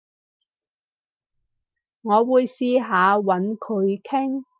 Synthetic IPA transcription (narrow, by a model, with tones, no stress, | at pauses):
ŋɔː˨˧wuː˨˧jsiː˧ɦaː˨˧wɐ˨˥nkʰɵ˨˧ɥkʰɪ˥ŋ